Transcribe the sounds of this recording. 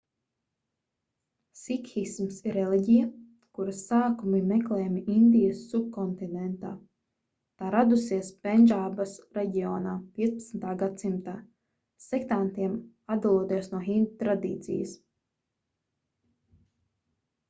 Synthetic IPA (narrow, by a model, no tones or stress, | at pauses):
sikxismsiɾɛliɟija | kuɾɐsaːkumimɛklɛːjmiʔind̪ijɐsːuk̚kɔnt̪inɛnt̪aː | t̪aːɾad̪usiɛspɛnʲʒabasɾɛɟiɔːnaːpʲiɛspɐt̪snt̪aːɡat̪simt̪aː | sɛkt̪ant̪iɛm | ad̪alˠuɔt̪iɛsnuɔxind̪t̪ɾad̪ḭːt̪sḭjə̰s